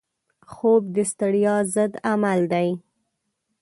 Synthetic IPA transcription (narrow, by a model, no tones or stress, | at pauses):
xob̚d̪əst̪əɽjɑzəd̪amald̪aj